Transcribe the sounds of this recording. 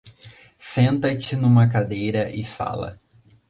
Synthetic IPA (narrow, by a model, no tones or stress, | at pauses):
sẽnt̪ɐt͡ʃɪnũmɐk̬ad̪ejɾɐʔɪfa̰lɐ̰